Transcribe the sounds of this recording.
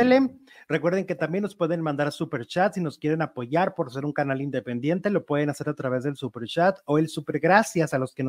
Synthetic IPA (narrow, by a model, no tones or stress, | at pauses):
ele | rekwe̞ɾðe̞ŋke̞t̪ambje̞nːo̞spwe̞ðe̞nmãnd̪aɾsupe̞ɾt͡ʃat̪sino̞skje̞ɾe̞napo̞ʝaɾpo̞ɾse̞ɾuŋkanalind̪epend̪je̞nt̪e̞lo̞pwe̞ðe̞nase̞ɾat̪ɾaβe̞zðelsupe̞ɾt͡ʃat̪o̞elsupe̞ɾɣɾasjasalo̞ske̞no